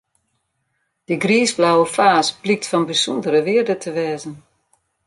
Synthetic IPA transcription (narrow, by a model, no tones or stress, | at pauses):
d̥əɡriːsblawəfaːsblik̚tfɔnbisundəɾəʋɪərdətʰəʋɛːzən